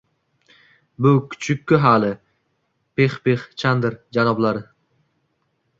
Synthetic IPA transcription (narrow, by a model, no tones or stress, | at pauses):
bʊkʲʰʊ̥t͡ʃʰʊkʲʰːʊɦalɪ | pʰeχpeχt͡ʃʰand̪ɪɾd͡ʒanɒblaɾɪ